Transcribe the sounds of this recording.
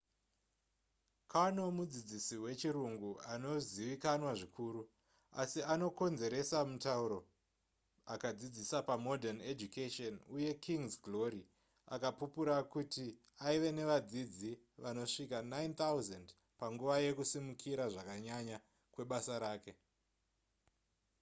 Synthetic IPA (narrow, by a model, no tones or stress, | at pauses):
kaanomud͡zid͡zisiwe̞t͡ʃiɾuŋɡuano̞ziʋikanwaʐikʰuːɾu | a̰siano̞ko̞nze̞ɾe̞samutauɾo̞ | akad͡zid͡zisapamo̞dʱaned͡ʒukeʃonuje̞kʰiŋzɡlo̞ɾi | a̰kapupuɾakuti | aiʋe̞ne̞ʋad͡zid͡zi | ʋano̞ʂikanaint̪auzand | paŋɡuʋaje̞kusimukʰiɾaʐakaɲaɲa | kwe̞ɓasaɾaːke̞